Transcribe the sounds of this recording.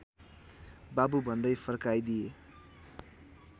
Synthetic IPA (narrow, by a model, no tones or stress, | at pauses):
babubʱʌnd̪ʌjpʰʌrkajd̪ije